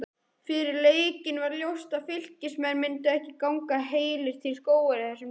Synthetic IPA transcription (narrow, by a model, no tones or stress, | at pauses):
fɪɾɪɾleːjcɪnvaɾljowst̪aðfɪl̥cɪsmɛðɾmɪnt̪ʏɛhcɪkawŋkaɦeːjlɪɾ̥t̪ʰɪlskoːwʏɾɪθɛsːʏm